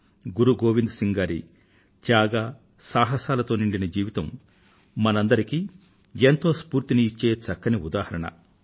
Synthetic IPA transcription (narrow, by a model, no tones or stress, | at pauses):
ɡuɾuɡoːʋind̪siŋɡaːɾḭ | d͡ʒaːɡaː | saːɦɐsaːlɐt̪o̞ːniɳɖinɐd͡ʒiːʋit̪ɐmː | ɐnɐnd̪ɐɾikiː | ent̪o̞ːspuːɾt̪iniːt͡ʃːeːt͡ʃɐkːɐniud̪aːhɐɾɐɳɐ̰